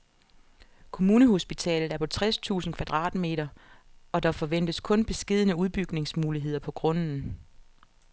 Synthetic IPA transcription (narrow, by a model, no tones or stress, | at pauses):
kʰo̝muːnəɦo̝sb̥it͡sʰɛ̰ːlð̩ˠæɐpʰɒ̽t͡sʰʁɛst͡sʰṵːsn̩kʰʋæd̥ʁɑ̈ːd̥me̝̰ːɾɐɒ̽d̥ɑ̈fɒ̽ʋen̰d̥əskʰɔ̽nb̥e̝sɡ̥e̝ð̞ˠnəuð̞ˠb̥yɡ̥ne̝ŋsmuːliɦe̝ð̞̰ˠɐpʰɒ̽ɡ̥ʁɔ̽nn̩